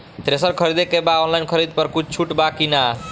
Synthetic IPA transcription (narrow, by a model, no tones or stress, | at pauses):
t̪ɾesəɾkʰəɾid̪ekebaɔnlajnkʰəɾid̪pəɾkut͡ʃʰt͡ʃʰuʈbakina